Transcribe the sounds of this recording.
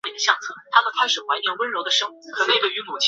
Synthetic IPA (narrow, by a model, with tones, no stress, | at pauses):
e˨˩d̪ə˧ɕjɑ˥˧ŋt͡sʰɤ˥˩t̪ʰa˥mə˨kʰa˥ɪʂɻ̩˨˩xwa˧˥ɪnjɛ˧˥nwə˥nɻo˧˥ʊd̪ə˨ʂɤ˥ŋ˨˩˥xə˥e˥˧˩we˥˩y˧˥mu˨˩t͡ɕʰ